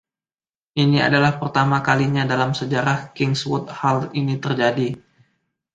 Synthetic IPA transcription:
ʔinia̰dalahpərt̪amakaliɲadalamsəd͡ʒaɾahkɪŋswɔt̪̚halinit̪ərd͡ʒadi

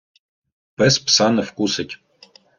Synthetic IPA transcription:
pɛspʰsanɐfkʷusɨtʲ

